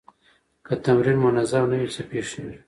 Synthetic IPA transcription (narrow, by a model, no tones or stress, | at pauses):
kat̪amɾinmʊnazamnawit͡sapeʂeiɾ